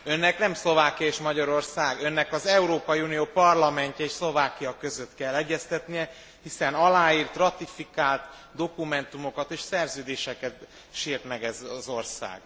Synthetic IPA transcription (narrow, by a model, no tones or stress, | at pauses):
ø̞nːɛknɛmslo̞vaːkijɒeːʃmɒɟɒɾo̞rsaːɡønːɛkɒzɛuɾoːpɒjiunijoːpɒrlɒmɛɲcɛeːʃslo̞vaːkijɒkø̞zøt̪kɛlːɛɟːɛst̪ɛt̪nijɛ | hisɛnɒlaːjiːrt̪rɒt̪ifikaːlt̪ | d̪o̞kumɛnt̪umo̞kɒt̪eːʃsɛrzøːd̪eːʃɛkɛt̪ | ʃiːrt̪mɛɡɛzɒzo̞rsa̰ːɡ̥